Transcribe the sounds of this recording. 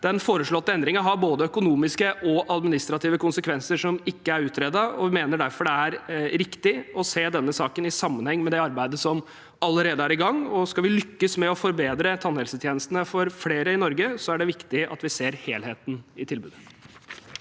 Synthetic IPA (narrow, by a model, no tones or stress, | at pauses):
d̪̥ɛnfoːɾəʂɭɔt̪ːəɛnd̪ɾɪŋɑɦɑɾboːd̪əœkʊnuːmɪskəʔɔʔɑd̪mɪnɪst̪ɾɑt̪iːʋəkʰʊnsəkʰʋɛnsəʂɔmɪkːəæɾʉːt̪ɾed̪ɑɔʋmeːnəɖæɾfɔɖɛæɾɾɪkt̪ɪɔseːd̪ɛnːəsɑːkənɪsɑmːənhɛŋːmɛd̪ɛɑɾbæɪd̪əsɔm | ɑlːəɾeːd̪əæɾɪɡɑŋːɔskɑʋɪlʏkːəsmɛɔfɔɾbeːd̪ɾət̪ʰɑnhɛlsət̪ʰjeːnəst̪ənəfɔɾfleːɾəɪnɔɾɡəsɔæɖɛʋɪkt̪ɪɑ̰t̪ʋɪseːɾheːlheːt̪n̩ɪt̪ʰɪlbʉːd̪ə